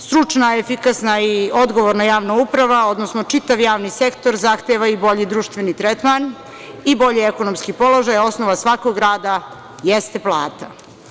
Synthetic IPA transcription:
st̪ɾut͡ʃnaefikasnaio̞d̪ɡoʋoɾnajaːʋnaupɾaʋao̞d̪nosnot͡ʃit̪aʋjaːʋnise̞kt̪o̞ɾzaxt̪eʋaibo̞ʎid̪ɾuːʃt̪ʋenit̪ɾet̪man | ibo̞ʎeekonomskipo̞lo̞ʒajo̞snoʋasʋako̞ɡɾaːd̪a | jest̪eplˠaːt̪a

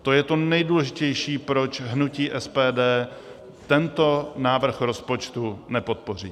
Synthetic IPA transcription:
t̪o̞jɛt̪o̞nɛjduːlɛʒɪcɛjʃiːpɾo̞t͡ʃɦnuciːʔɛspɛːdɛː | t̪ɛnt̪o̞naːvr̩xɾo̞spo̞t͡ʃt̪unɛpo̞t̪̚po̞r̝ḭː

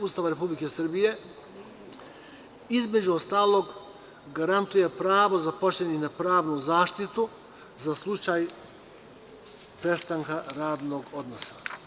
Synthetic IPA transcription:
ust̪aʋaɾe̞publikesr̩bije̞ | izme̞d͡ʑuost̪aːlˠo̞ɡ | ɡaɾant̪uje̞pɾaːʋozapo̞t͡ʃlʲeninapɾaːʋnuzaːʃt̪it̪u | zaslˠut͡ʃaj | pɾe̞st̪aŋkaɾaːd̪no̞ɡo̞d̪nosḁ

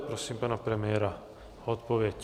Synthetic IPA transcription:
pɾosimpanɔpɾɛmjɛːɾa | ɔt̪poʋjɛc

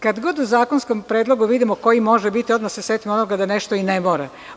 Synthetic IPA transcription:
kad̪ɡo̞ːd̪uzaːkonskompɾeːd̪lˠo̞ɡuʋid̪imoko̞jimo̞ʒɛbit̪iod̪maseset̪imonoɡad̪aneʃt̪oinemoɾɛ

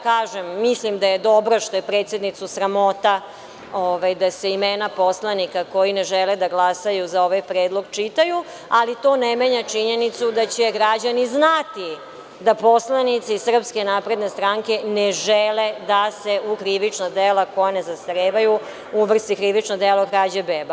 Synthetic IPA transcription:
kaːʒemːislimd̪ajed̪o̞bɾoʃt̪o̞jepɾe̞t̪sje̞d̪nit̪susɾamo̞t̪a | oʋajd̪ase̞imeːnapo̞slˠanikako̞jineʒeled̪aɡlasajuzao̞ʋajpɾeːd̪lˠo̞ɡt͡ʃit̪aju | alit̪o̞ːnemeɲat͡ʃiɲe̞nit̪sud̪at͡ɕeɡɾad͡ʑaniznat̪i | d̪apo̞slˠanit̪sisr̩pske̞naːpɾe̞d̪ne̞st̪ɾaŋke̞neʒeled̪aseʔukɾiʋit͡ʂnad̪elako̞janezast̪aɾeːʋaju | uʋr̩st̪ikɾiʋit͡ʂnod̪elaukɾad͡ʑebeːba

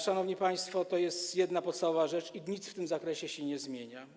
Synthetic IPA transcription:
ʂanɔvɲipaj̃st̪fɔt̪ɔjɛst̪jɛd̪napɔt̪st̪avɔvaʐɛt͡ʂiɲit̪sft̪ɘmzakɾɛɕɛɕɛɲɛzmʲjeɲa

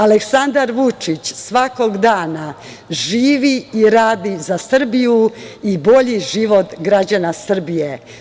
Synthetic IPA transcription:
aleksand̪aɾʋut͡ʂit͡ɕsʋako̞ɡd̪aːna | ʒiːʋiiɾaːd̪izasr̩bijuibo̞ʎiʒiʋo̞t̪ɡɾad͡ʑanasr̩bije

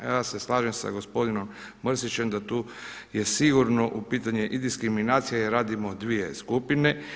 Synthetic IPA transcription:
ease̞slˠaːʒemsa̰ɡo̞spo̞d̪ino̞mː | rsit͡ɕe̞md̪at̪uː | jesiɡuɾno̞ʔupiːt̪aɲe̞ʔid̪iskɾiminaːt̪sijajeɾaːd̪imo̞d̪ʋije̞skupine

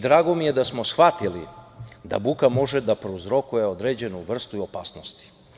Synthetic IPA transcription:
d̪ɾaːɡo̞mije̞d̪asmo̞sxʋat̪ilḭd̪a̰bukamo̞ʒed̪apɾouzɾo̞kuje̞o̞d̪ɾeːd͡ʑe̞nuʋr̩st̪uio̞paːsnost̪i̥

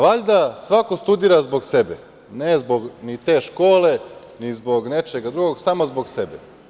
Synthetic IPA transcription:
ʋaʎʲd̪asʋakost̪ud̪iːɾazbo̞ɡsebḛ | nezbo̞ɡnit̪e̞ːʃko̞ːle̞ | nizbo̞ɡne̞t͡ʃeɡad̪ɾuɡoɡsamozbo̞ɡsebḛ

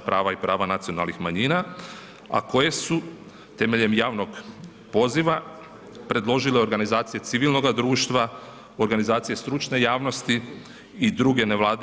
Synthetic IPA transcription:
pɾaːʋaipɾaːʋanat̪siona̰lˠnixmaɲiːna | a̰ko̞je̞su | t̪e̞me̞ʎe̞mjaːʋno̞ɡ | po̞ziʋa | pɾe̞d̪lˠo̞ʒileo̞ɾɡanizaːt̪sije̞t̪iʋilˠno̞ɡad̪ɾuːʃt̪ʋa | o̞ɾɡanizaːt̪sije̞st̪ɾut͡ʃne̞jaːʋno̞st̪i | id̪ɾuɡe̞ne̞ʋlˠaːd̪

